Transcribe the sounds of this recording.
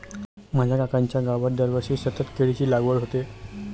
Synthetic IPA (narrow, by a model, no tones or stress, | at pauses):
mad͡ʑʱjakakaɲt͡ɕjaɡaʋəɾd̪əɾʋəɕesət̪ət̪keɭit͡ɕiːlaɡʋəɭɦot̪e